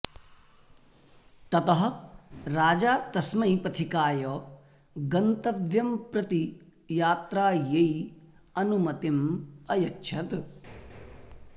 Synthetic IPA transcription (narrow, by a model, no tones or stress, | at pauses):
t̪ɐt̪ɐɦɐ̆ɾaːd͡ʒaːt̪ɐsmɐjpɐt̪ʰikaːjɐ | ɡɐnt̪ɐʋjɐmpɾɐt̪i | jaːt̪ɾaːjɐj | ɐnumɐt̪imɐjɐtːʃʰɐt̪